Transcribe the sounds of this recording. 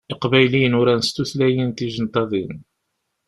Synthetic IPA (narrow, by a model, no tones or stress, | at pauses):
ɪqbæjlinʊɾænəst̪uθlæjint̪iʒənt̪ɑðˤin